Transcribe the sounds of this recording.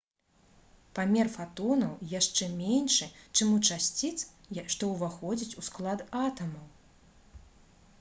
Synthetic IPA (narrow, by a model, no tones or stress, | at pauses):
pamʲɛrfat̪ɔnɐwjaʂt͡ʂɛmʲenʲʂɨt͡ʂɨmut͡ʂasʲt͡sʲit̪s | jaʂt̪ɔwvaxɔd͡zʲit͡sʲusklˠad̪at̪ɐmɐw